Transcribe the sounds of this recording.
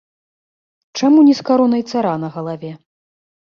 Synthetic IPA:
t͡ʂamunʲiskaɾɔnɐjt̪saɾanɐɣɐlˠavʲɛ

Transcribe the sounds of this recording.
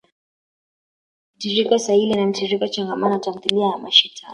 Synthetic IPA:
m̩tiɾikasailianam̩tiɾikat͡ʃaŋɡamanatam̩θiliajamaʃitʰa

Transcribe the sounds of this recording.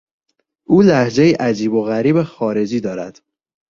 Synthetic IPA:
ʔuːlæhd͡ʒe̞jiʔæd͡ʒiːboɣæɾiːbexɒːɾe̞d͡ʒiːd̪ɒːɾæ̰d̪̥

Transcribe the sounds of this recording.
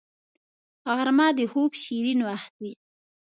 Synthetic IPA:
aɣɾmɑd̪əhobʃiɾinwaxt̪̚i

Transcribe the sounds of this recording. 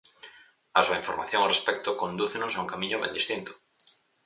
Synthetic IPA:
asuaiɱfoɾma̰θjõŋorespɛk̚t̪okõnd̪uθenosauŋkamĩɲoβḛnd̪ist̪int̪o̥

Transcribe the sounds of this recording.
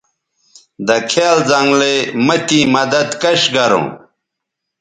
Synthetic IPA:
d̪ɐkʰaːlzaŋɡlemɐt̪imɐd̪ɐd̪kɐɕɡɐɾõ̰ː

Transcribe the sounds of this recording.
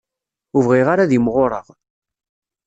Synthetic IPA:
uvʁɪʁaɾaðimʁoɾˤəʁ

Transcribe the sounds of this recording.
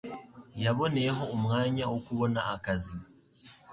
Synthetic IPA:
jaβo̞ne̞ɦo̞ːmŋaːɲawokuβo̞naʔːkazi

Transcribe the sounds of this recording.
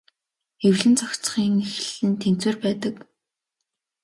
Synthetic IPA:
ewɮɘ̆nt͡sɔkt͡sχiːŋex̆ɮɘ̆nt̪ʰen̥t͡sweːrpæːt̪ə̆k

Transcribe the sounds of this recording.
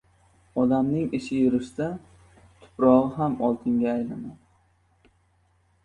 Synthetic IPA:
ɒd̪amnɪŋɪʃɪjʊɾɪʃd̪a | t̪ʰʊ̥pʰɾɒʁɨɦamɒlˠt̪ʰɪŋɡʲaːjlana

